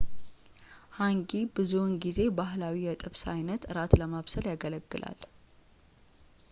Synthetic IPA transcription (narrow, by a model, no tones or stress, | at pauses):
haŋɡibɨzunɡize̞baɦlawijɛt̪ʼɨβsa̰jnət̪ɨɾat̪ləmaβsəljaɡələɡːɨlʔa̰l